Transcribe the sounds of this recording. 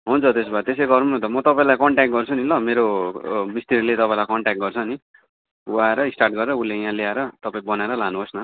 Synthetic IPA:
ɦunt͡sʰʌt̪esbat̪es̬ejɡʌɾnuɦunʌnt̪ʌmʌt̪ʌpaĩlajkʌɳʈakʈ̚ɡʌrt͡sʰunilʌmeɾomist̪iɾinlet̪ʌpaĩlajkʌɳʈak̚ʈ̚ɡʌrt͡sʰʌni | uaeɾʌisʈarʈ̚ɡʌɾeɾʌulejãleaeɾʌt̪ʌpaĩbʌnaeɾʌlanuɦosnʌ

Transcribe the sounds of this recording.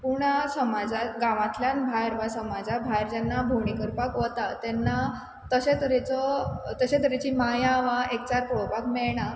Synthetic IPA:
puɳasəmad͡zaɡãʋãt̪ljãnbʱajɾʋasəmad͡zabʱajɾd͡ʑanːabʱoɳikəɾpakʋət̪at̪ɛnːa | t̪əɕẽt̪əɾet͡sɔt̪əɕẽt̪əɾet͡ɕimajãʋaʔek̚t͡saɾpɾopakmɛɭɳ̃a

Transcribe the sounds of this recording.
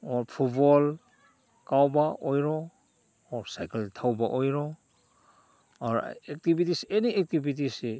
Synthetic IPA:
ɔɾpʰut̚bɔl | kawbaʔɔjɾɔː | ɾsajkeltʰawba̰ʔojɾɔ | aɾ̰ek̚tibitiseniek̚tibit̬ise

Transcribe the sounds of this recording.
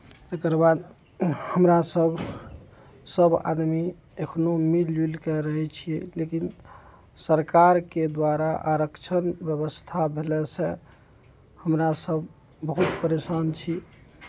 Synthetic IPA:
t̪ekəɾbad̪ | həmɾasəbʱ | səba̰d̪mi | ekʰnomililkɛɾəɦɛt͡ʃʰijɛlekin | səɾkaɾked̪waɾaʔaɾəkt͡ʃʰənbjəβəst̪ʰabʱelɛsɛ̃ | həmɾasəbː | əɦut̪pəɾesant͡ʃʰi

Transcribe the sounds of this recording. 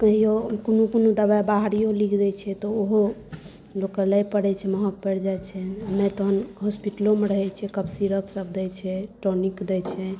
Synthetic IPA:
kəɦijokonukonod̪əbabaɦɾijolikʰd͡ʒɛt͡ʃʰɛt̪ɔoɦo | lokəlajpəɽɛt͡ʃʰɛməɦək̚pɛɾd͡ʒajt͡ʃʰɛanɛt̪oɦənɦɔspiʈəlomeɾəɦɛt͡ʃʰɛkəbsiɾəpsəb̚d̪ɛjt͡ʃʰɛʈonikd̪ɛjt͡ʃʰɛ

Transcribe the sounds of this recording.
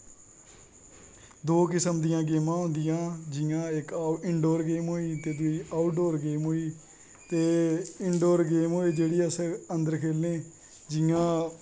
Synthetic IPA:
d̪oːkɪsəmd̪ɪjãːɡeːmãːɦʊ̃nd̪ɪjãːd͡ʒɪjãːɪkaɪɳɖoːɾɡeːmɦoːiːt̪eːd̪ʊiːʔaːʊʈɖoːɾɡeːmɦoːiː | t̪eːɪɳɖoːɾɡeːmɦoːeːd͡ʒeːɽiːəsəənd̪əɾkʰeːlnẽː | d͡ʒɪjãː

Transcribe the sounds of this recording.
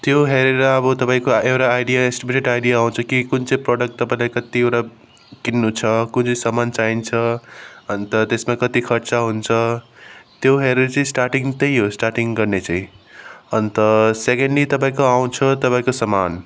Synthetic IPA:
t̪joɦeɾeɾʌːbʌt̪ʌpaĩkoewɾaːjɖijaesʈibiʈeʈajɖijaaw̃t͡sʰʌkikunt͡sʌ̃ĩproɽʌk̚ʈt̪ːʌpaĩlajkʌt̪iewʈa | kinːut͡sʰʌkunt͡sʌ̃sʌmant͡saint͡sʰʌʌnt̪ʌt̪esmakʌt̪ikʰʌɾt͡saɦunt͡sʰʌ | t̪joɦeɾut͡sʌĩsʈarʈiŋt̪ʌjɦosʈarʈiŋɡʌrnet͡sãĩʌnt̪ʌsekeɳɖit̪ʌp̬ãĩkoaw̃t͡sʰʌt̪ʌpaĩkosʌman

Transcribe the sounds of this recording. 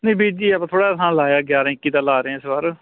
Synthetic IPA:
nẽːbiːd͡ʒiːɛpãt̪ʰoːɽaːt̪ʰãːlaːjaːɡjaːɾaːɪkːiːd̪ãːlaːɾeɛ̃ːɪsbaːɾ

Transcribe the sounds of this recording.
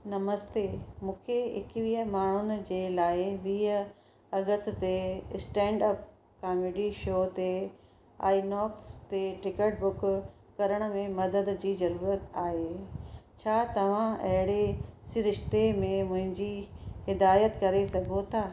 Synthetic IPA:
nɐməst̪emũːkʰeɪ̰kʋiːɦəmaːɳ̤ʊnɪ̆d͡ʑeːlaːɪʋiːɦə | ɐɡəst̪t̪esʈɛ̃ːɳɖəp̚ | kaːmeːɖiʃoːt̪e | a̰ːinɔːkst̪eʈɪkəʈ̚bʊk | kɐɾəɽ̃ə̆mẽmɐd̪əd̪d͡ʑiːzɐɾuːɾət̪aːɦeːt͡ɕʰaːt̪ɐʋ̤ãɐɦɪɽesɪɾɪʃt̪emẽmʊ̃ɦɪ̃ɲd͡ʑihɪd̪aːjət̪kɐɾesɐɡʱot̪ʰaː

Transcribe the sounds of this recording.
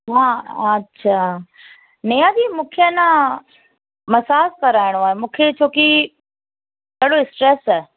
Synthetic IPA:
ɦãːɐtːɕʰaː | nejad̪imũːkʰeənã | mɐsaːskɐɾaːɪɽ̃oaːɦemũːkʰet͡ɕʰoːki | kɐɽoɪsʈɾeːsaːe

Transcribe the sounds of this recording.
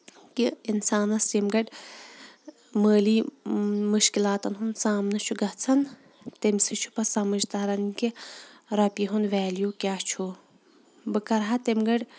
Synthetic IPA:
kiinsaːnɐsimɡɐɖ | məːliːmuʃkilaːt̪ɐnɦunsaːmnɐt͡ʃʰuɡɐɦt͡sʰɐn | t̪emsɨt͡ʃʰu̥pɐsɐmɐd͡ʒt̪aːɾɐnkiɾɐpiɦunʋɛːljukʲaːt͡ʃʰu | bɨkɐɾɦat̪emɡɐɖ

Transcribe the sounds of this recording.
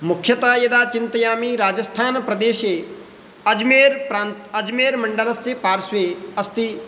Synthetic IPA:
mʊkʰjət̪aːjɐd̪aːt͡ʃɪnt̪əjaːmiɾaːd͡ʒəst̪ʰaːnpɾɐd̪eːʃe | ɐd͡ʒmeːɾpɾaːnɐd͡ʒmeːɾmɐ̃ɳɖələsːepaːɾsʋeɐst̪i

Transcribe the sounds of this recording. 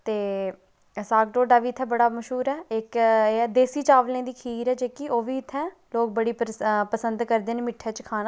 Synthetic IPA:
t̪eː | saːkʈoːɖaːʋiːt̪ʰɛ̃ːbəɽaːməʃɦuːɾɛːɪkːɛːd̪eːsiːt͡ʃaːʋlẽːd̪iːkʰiːɾɛːd͡ʒeːkioːʋiːɪt̪ʰːɛ̃ː | loːk̚bəɽiːppəsənd̪kəɾd̪eːneːmɪʈʰːɛːt͡ʃkʰaːnãː

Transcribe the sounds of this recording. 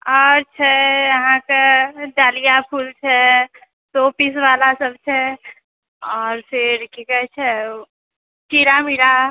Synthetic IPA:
ɔːɾt͡ʃʰɛjɐɦãkeɖaːlijapʰuːlt͡ʃʰɛ | sopis̬ʋaːlasəbt͡ʃʰɛ | ɔːɾfɪɾkikɛt͡ʃʰɛ | t͡ʃiɾamiɾa

